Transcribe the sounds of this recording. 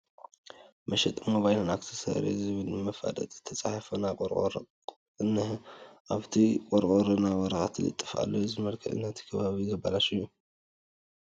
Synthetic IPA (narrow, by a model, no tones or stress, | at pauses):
mɐʃɛt̪ʼɨmoβajnanakt̪ʰɨ̥sɐ̰ɾḛzɨβɨlmɐfa̰d̪ɐ̰t̪ʼt̪ʰɐt͡sʼaħafɐnakʼoɾkʼo̰ɾ | ɨnːɨhʔaβt̪ʰikʼɔɾkʼoɾɨnawɐɾɐxat̪ʰilɨ̰t̪ʼːɨfa̰lːozɨmɐlkʰɐʔɨ̰nat̪ʰi̥kʰɐβaβizɐbalaʃɨjːu